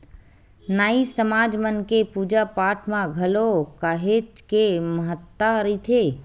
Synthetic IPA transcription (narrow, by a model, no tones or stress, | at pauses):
naːisəmaːd͡ʒmənkepuːd͡ʒapaːʈʰmãɡʱɐlokaːɦeːt͡ʃkeməɦət̪ːaɾɐit̪ʰeː